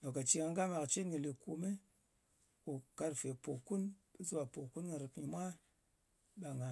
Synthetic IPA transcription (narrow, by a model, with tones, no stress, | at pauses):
no˨ka˨t͡ʃi˦ŋa˧ŋ˦ɡa˦ma˨kt͡ʃe˦ŋi˨li˨ku˧me˦ | u˨ka˧ɾfe˨po˨ku˦nɓe˦zu˦wa˨po˨ku˦nŋi˨ɾɨ˨kɲi˨mʷa˦ | ɓa˨ŋa˨